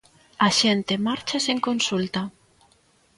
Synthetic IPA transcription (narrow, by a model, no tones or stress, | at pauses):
aʃent̪emaɾt͡ʃaseŋkonsult̪a